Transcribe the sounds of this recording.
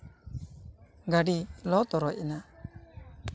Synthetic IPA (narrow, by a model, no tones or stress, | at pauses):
ɡaɖilɔt̪ɔɾɔjʔɛna